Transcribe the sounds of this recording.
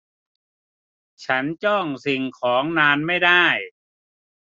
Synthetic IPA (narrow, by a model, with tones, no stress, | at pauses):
t͡ɕʰa˦˥nt͡ɕɔ˥˩ŋsi˨˩ŋkʰɔː˩˦ŋnaː˧nma˥˩jdaː˥˩j